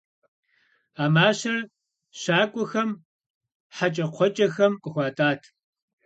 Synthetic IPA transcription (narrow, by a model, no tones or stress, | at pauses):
aːmaːɕɐr | ɕaːkʷʼɔxɐm | ħat͡ʃʼɐqʷʰɔt͡ʃʼɐxɐmqʼəxʷaːtʼaːtʰ